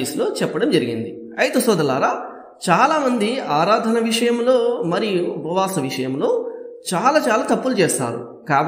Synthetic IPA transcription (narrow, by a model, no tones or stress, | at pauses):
islo̞ːt͡ʃɛpːɐɽɐmd͡ʒɐɾiɡind̪i | ɐjt̪ɐsɔːd̪ɐlaːɾaː | t͡ʃaːlaːmɐnd̪iaːɾaːd̪ʱɐnɐʋiʂɐjɐmlo̞ːmɐɾijubʱɐʋaːsɐʋiʂɐjɐmlo̞ːt͡ʃaːlaːt͡ʃaːlaːt̪ɐpːulut͡ʃeːst̪a̰ːɾṵ | kaːb